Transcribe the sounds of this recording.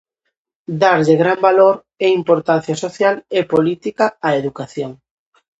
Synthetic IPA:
d̪aɾʎɪɣɾambaloɾ | eimpoɾt̪an̟θjasoθjalepolit̪ikaːeðukaθjoŋ

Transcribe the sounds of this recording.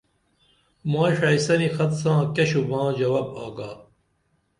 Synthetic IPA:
mãːʂaisɐnixɐt̪sãːkɐɕubãːd͡ʑɐwaːba̰ːɡaː

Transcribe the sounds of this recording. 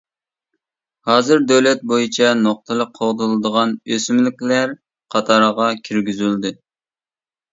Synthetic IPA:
hɑːzɨɾd̪øwlɛt̪̚bojit͡ʃʰɛnoq̚t̪ʰɨlˠəq̚qʰːoʁd̪ɨlˠɨd̪əʁɑnøsymlɪkʲlæɾ | qʰɑt̪ʰɑɾʁɑkʲʰiɾɡʲyzyld̪ɪ

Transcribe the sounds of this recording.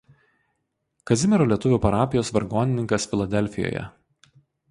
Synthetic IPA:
kɐzʲɪmʲɛɾoːlʲiɛt̪ʊʋʲuːˑpɐɾɑːpʲɪjoːsʋʲɐɾɡoːnʲɪnʲɪŋkɐsfʲɪlˠɐd̪ʲɛlʲˑfʲɪjo̰ːjɛ̰

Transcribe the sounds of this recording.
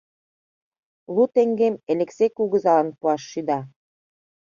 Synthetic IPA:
lut̪eŋɡemeleksekuɣə̆zɑlə̆npuɑʃːyd̪ɑ

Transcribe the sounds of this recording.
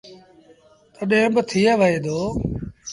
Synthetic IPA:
t̪əɗẽːbət̪ʰiːaʋəeːd̪oː

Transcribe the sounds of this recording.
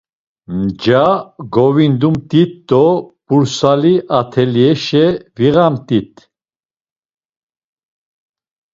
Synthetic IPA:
md͡ʒaɡɔvind̪umt̪ʼit̪d̪ɔpuɾsaliʔat̪ʰɛliɛʃɛviɣamt̪ʼit̪ʰʼ

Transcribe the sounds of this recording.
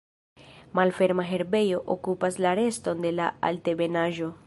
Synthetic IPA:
malfe̞ɾmaɦe̞ɾbe̞jo̞ʔo̰kupaslaɾe̞sto̞nde̞laa̰lte̞be̞naʒo̞

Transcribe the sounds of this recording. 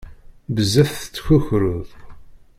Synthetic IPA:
bəzːæθθət͡sːçuçɾʊðˤ

